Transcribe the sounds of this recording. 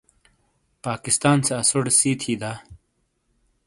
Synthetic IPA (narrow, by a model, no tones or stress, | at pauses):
paːkist̪aːnseɐsoɽsiːt̪ʰiːd̪aː